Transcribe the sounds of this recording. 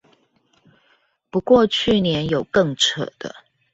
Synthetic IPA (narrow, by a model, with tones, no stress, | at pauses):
pu˧˦kwɔ˥˧t͡ɕʰy˥˩njɛ˧˦njo˨˩ʊkɤ˥˨ŋʈ͡ʂʰə̰˨˩d̪̥ə̰˦